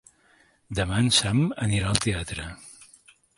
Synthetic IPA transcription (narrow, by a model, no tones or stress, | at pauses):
d̪əmansaməniɾaəlˠt̪eat̪ɾə